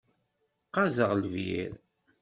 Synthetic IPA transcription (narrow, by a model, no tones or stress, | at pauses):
qɑzəʁlvḭɾ